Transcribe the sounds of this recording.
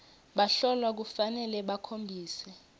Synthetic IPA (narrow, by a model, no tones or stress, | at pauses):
ɓaɬɔlwak̬ufanɛlɛɓakʰombʱiːsɛ